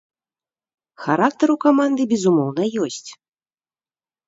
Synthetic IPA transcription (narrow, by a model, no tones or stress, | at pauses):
xaɾak̚t̪ɐɾukamand̪ɨbʲɛzumɔwnɐjɔsʲt͡sʲ